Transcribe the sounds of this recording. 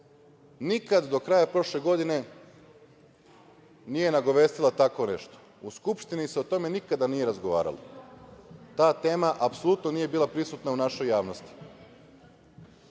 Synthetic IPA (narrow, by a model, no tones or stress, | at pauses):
nikad̪d̪o̞kɾajapɾo̞ʃle̞ɡo̞d̪ine̞ | nije̞naɡo̞ʋe̞ːst̪ilˠat̪ako̞ne̞̰ʃt̪o̥ | uskupʃt̪iniseo̞t̪o̞me̞nikad̪anije̞ɾazɡoʋa̰ːɾa̰lˠa̰ | t̪aːt̪e̞ːmaʔapsolut̪nonije̞biːlˠapɾisut̪naunaʃo̞jːaːʋnost̪i̥